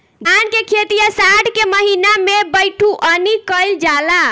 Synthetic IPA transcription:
ankekʰet̪ijəsaɽkeməɦinamebəjʈʰuʔənikəɪld͡ʒala

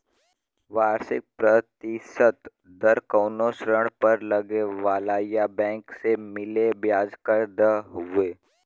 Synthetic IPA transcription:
ʋaːɾsɪ̰k̚pɾət̪ɪʃət̪ | d̪ɐɾkəːnosɾəɽ̃pəɾlɐɡeʋaːlaːjabɛ̃ːŋksemɪlebjaːd͡ʒkəɾd̪aɦʊeː

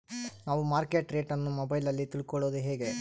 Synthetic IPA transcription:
naːʋumaːɾke̞ʈɾe̞ːʈɐnːumobɐjlɐlːit̪iɭkɔɭoːd̪uɦe̞ːɡe̞

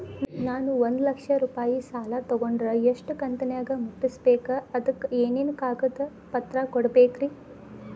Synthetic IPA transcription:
naːnuond̪lɐkʂɐɾuːpaːjisaːlɐt̪ɔɡoɳɖɾɐeʂʈukɐnt̪ɐnɐjaːɡɐmuʈːisbeːkɐɐd̪ɐkːeːnenukaːɡɐd̪ɐ | pɐt̪ɾɐkɔɽɐbeːkɾi

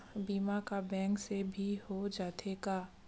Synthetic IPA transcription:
biːmakabɛ̃ːŋksebʱihod͡ʒaːt̪ʰeɡaː

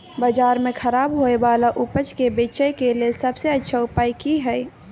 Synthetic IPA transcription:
bad͡ʒaːɾmẽkʰɐɾaːbɦoːeʋaːlaʔʊpət͡ʃkebeːt͡ʃəjkeliesɐbseɐtːʃʰaʊpaːikiɦɛː

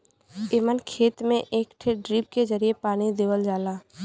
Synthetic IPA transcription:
eːmənkʰeːt̪mẽʔeːkʈʰeɖɾiːp̚ked͡ʒəɾiepaːɽ̃id̪eːʋəld͡ʒaːlaː

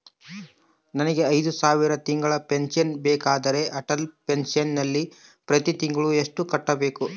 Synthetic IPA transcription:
nɐnɐɡe̞ɐjd̪usaːʋiɾɐt̪iŋɡɐɭɐpensɐnbɛːkaːd̪ɐɾe̞ʔɐʈɐlpensjɐnːɐlːi | pɾɐt̪it̪iŋɡɐɭueʂʈukɐʈːɐbe̞ːku

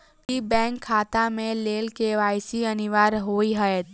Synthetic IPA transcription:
kibɛ̃ːŋkʰːaːt̪amẽleːlkeʋaːjsiɐniʋaɾɦoːiɦəet̪

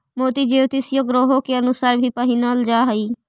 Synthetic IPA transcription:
moːt̪iːd͡ʒeːot̪ɪsjoɡɾoːɦokeənʊsaːɾbʱiːpəɦinaːld͡ʒaːɦəiː

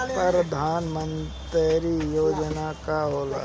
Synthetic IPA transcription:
pəɾəd̪ʱaːnmənt̪əɾijoːd͡ʒənakaɦoːla̰

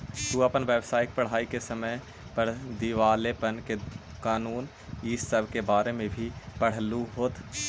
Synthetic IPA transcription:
t̪uapənʋjəʋsaːɪk̚pəɽ̤aːikesəməj | pəɽ̤d̪iʋaːlepənke | kaːnuːn | iːssəbʱkebaːɾemẽbʱipəɽ̤luɦoːt̪

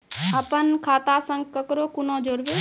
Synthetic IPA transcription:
əpənkʰaːt̪asə̃ŋɡ̚kəkɾoːkʊnõːd͡ʒoɾʋe

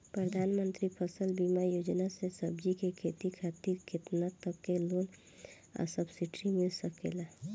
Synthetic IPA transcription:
pɾəd̪ʱaːnmənt̪ɾipʰəsəlbimajoːd͡ʒnasesəbd͡ʒikekʰet̪ikʰat̪iɾkʰet̪nat̪ːəkːeloːn | ə̰səbsiʈɾimɪlsəkḛla

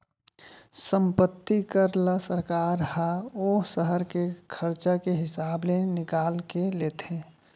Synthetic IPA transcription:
sə̃mpət̪ːikəɾlasəɾkaːɾɦaoːsəɦəɾkekʰəɾt͡ʃakeɦɪsaːblenɪkaːlkeleːt̪ʰe

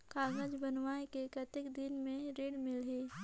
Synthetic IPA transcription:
kaːɡəd͡ʒbɐnʋaːekekɐt̪ɪkd̪ɪnmẽɾeːɽmɪlɦeː

